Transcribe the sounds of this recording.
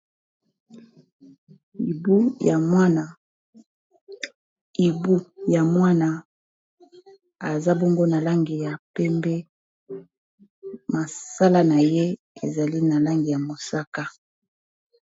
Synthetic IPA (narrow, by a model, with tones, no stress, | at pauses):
i˨bu˦ja˨mwa˦na˨ | i˨bu˦ja˨mwa˦na˨ | a˨za˦bɔ˦ŋɡo˦na˨la˦ŋɡi˨ja˨pɛ˦mbɛ˦ | ma˨sa˦la˦na˨je˦ | ḛ˨za˨li˦na˨la˦ŋɡi˨ja˨mo˨sa˦ka˦